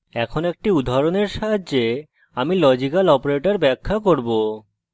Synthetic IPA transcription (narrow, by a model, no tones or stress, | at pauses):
ɛkʰonoek̚ʈiud̪ʱːaɾoneɾʃaɦad͡ʑe | amilɔd͡ʑikalɔpoɾeʈaɾbɛkʰːakoɾbo